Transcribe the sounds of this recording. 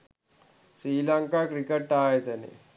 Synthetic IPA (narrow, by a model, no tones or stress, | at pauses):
sɾiːlaŋkakɾikeʈːaːɦet̪anḛ